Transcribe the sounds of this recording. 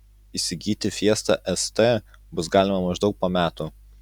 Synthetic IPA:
isʲɪɡʲiːt̪ʲɪfʲiɛst̪ɐʔɛst̪ɛːbʊsɡɑːlʲɪmɐmɐʒd̪ɐʊk̚poːmʲæːt̪u

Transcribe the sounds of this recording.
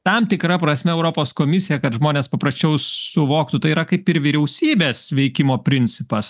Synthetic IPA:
t̪ɐmt̪ʲɪkɾɐpɾɐsʲmʲɛɛʊɾopoːskoːmʲɪsʲɪjɛkɐtʒmoːnʲeːspɐpɾɐsʲt͡ʃʲɛʊsʊʋoːk̚t̪ʊt̪ɐɪiɾɐkɐɪpɪɾʋʲiɾʲɛʊsʲiːbʲeːsʋʲɛɪkʲɪmoːpʲɾʲɪnʲt͡s̪ʲɪpɐs

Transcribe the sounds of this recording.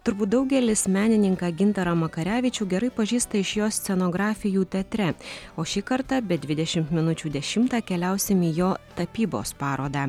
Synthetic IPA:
t̪ʊɾbuːt̪̚d̪ɐʊɡʲɛlʲɪsmʲæːnʲɪnʲɪŋkɑːɡʲɪnt̪ɐɾɐmɐkɐɾʲæːʋʲɪt͡ʃʲuːɡʲɛɾɐɪpɐʒʲiːst̪ɐɪʃjoːsʲt̪sʲɛnoːɡɾɑːfʲɪjuːt̪ʲɛt̪ʲɾʲɛoːʃʲiːkɐɾt̪ɑbʲɛd̪ʲʋʲɪd̪ʲɛʃʲɪmt̪mʲɪnʊt͡ʃʲuːd̪ʲɛʃʲɪmt̪ɑːkʲɛlʲæˑʊsʲɪmiːjoːt̪ɐpʲiːbo̰ːspɑːɾoːd̪ɑː

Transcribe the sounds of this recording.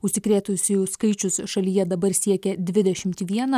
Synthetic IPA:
ʊʃʲsʲɪkɾʲeːt̪ʊsʲʊjʊskɐɪt͡ʃʲʊsʃɐlʲijɛd̪ɐbɐɾsʲiɛkʲɛd̪ʲʋʲɪd̪ʲɛʃʲɪmʲt̪ʲːʋʲiɛnɐ

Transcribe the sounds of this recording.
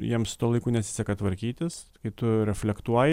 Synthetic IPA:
jiɛmst̪uɔlˠɐɪkuːnʲɛt̪sʲɪ̥sʲɛkɐt̪ʋɐɾʲkʲiːt̪ʲɪs | kɐɪt̪ʊɾʲɛfʲlʲɛkt̪uɔjɪ

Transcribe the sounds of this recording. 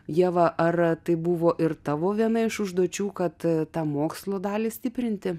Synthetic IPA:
jiɛʋɐʔɐrt̪ɐɪbʊʋoːʔɪrt̪ɑːʋoːʋʲiɛnɐɪʃʊʒd̪uɔt͡ʃʲuːkɐt̪t̪ɑːmoːkslˠoːd̪ɑːlʲɪːsʲt̪ʲɪpʲɾʲɪnʲt̪ʲɪ

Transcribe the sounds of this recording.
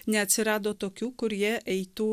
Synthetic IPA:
nʲɛɐt̪sʲiɾad̪ɔt̪ɔkʲukʊɾjɛʔɛjt̪u

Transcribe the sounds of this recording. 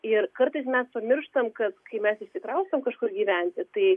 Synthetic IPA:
ɪrkɐɾt̪ɐɪsmʲɛspɐmʲɪrʃt̪ɐmkɐt̪kɐɪmʲɛsɪʃʲsʲɪkɾɐʊst̪ɐmkɐʃkʊɾɡʲiːʋʲænʲt̪ʲɪt̪ɐɪ

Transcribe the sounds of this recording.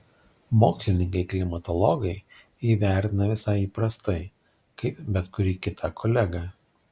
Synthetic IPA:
moːksʲlʲɪnʲɪŋkɐɪklʲɪmɐt̪ɔlˠɔɡɐɪ | iːʋʲæˑɾʲt̪ʲɪnɐʋʲɪsɐɪiːpɾɐst̪ɐɪ | kɐɪpbʲɛt̪kʊɾʲiːkʲɪt̪ʰɐkʰɔlʲɛɡɐ

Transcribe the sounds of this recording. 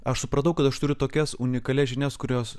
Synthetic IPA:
ɐʃsʊpɾɐt̪ɐʊkɐt̪ɐʃt̪ʊɾʲʊt̪oːkʲɛsʊnʲɪkɐlʲɛʒʲɪnʲɛskʊɾʲoːs

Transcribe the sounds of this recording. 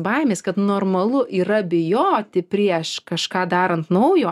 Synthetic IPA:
bɐɪmʲeːskɐt̪noːrmɐlˠʊʔiːɾɐbʲɪjoːt̪ʲɪpʲɾʲiɛʃkɐʃkɑːd̪ɑːɾɐnt̪nɐʊjoː

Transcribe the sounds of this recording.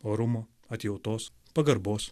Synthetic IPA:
oːɾʊmoː | ɐt̪ʲjɛʊt̪oːs | pɐɡɐɾboːs

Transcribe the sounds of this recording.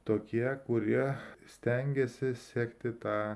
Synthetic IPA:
t̪oːkʲiɛkʊɾʲiɛsʲt̪ʲɛŋʲɡʲɛsʲɪsʲiːkt̪ʲɪt̪ɑː

